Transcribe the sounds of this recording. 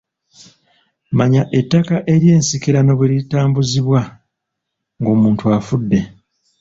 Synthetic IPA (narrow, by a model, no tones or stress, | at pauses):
maɲaʔe̞tːakaʔe̞ɾje̞ːnsikiɾano̞βulitaːmbuziβwa | ŋɡo̞ːmuːntuafudːe̞